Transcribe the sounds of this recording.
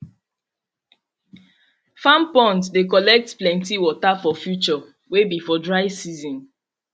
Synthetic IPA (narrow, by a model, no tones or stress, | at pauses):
fãmpɔ̃ntdek̬ɔlɛk̚tplɛ̃ntiwɔtafɔfjut͡ʃɔ | webifɔdɹaɪsizɔ̃n